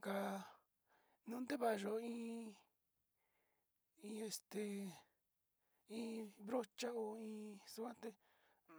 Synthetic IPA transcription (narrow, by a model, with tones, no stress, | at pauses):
ka˧ | nũ˦nd̪e˦βa˧˨˧ʒo˧ĩː˦ | ĩ˧e˧st̪e˧ | ĩ˧˦βɾo˦t͡ʃa˦o˧ĩː˧su˧kã˦t̪e˧